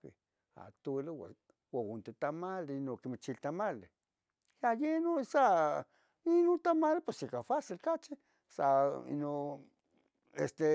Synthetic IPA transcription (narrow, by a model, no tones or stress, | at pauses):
e | a̰t̪olewa̰ | waunt̪et̪amalenokimat͡ʃilt̪amale | jajenosa | inont̪amalepesikafasilkat͡ʃi | saḭno | est̪e